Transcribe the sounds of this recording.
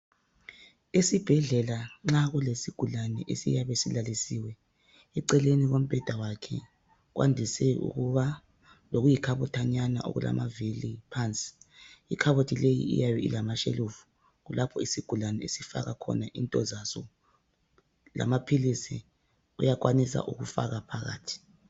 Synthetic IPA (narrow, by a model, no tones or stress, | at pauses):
isib̥ʱɛɮɛlaŋ͡ǁaɣulesiɡ̥ʱulanɛʔesḭjaβesilalisiwɛ | iǀɛleniɣom̩b̥ʱɛd̥ʱawakʰɛ̰ | ɣwa̰ndʱisɛṵɣuβa | loɣujikʰaβɔtʰaɲana̰ʔo̰ɣṵla̰mavilipʰant͡sʼi̥ːkʰaβotʰʼilejḭḭjajɔilamaʃḛluvu̥ | ɣulapʰɔisiɡ̥ʱulanɛesifa̰ɣakʰɔ̰naʔintʼɔzasɔ | la̰mapʰilisi | ṵjak̬wanisa̰ʔuɣufa̰ɣapʰaɣa̰ːtʰi̥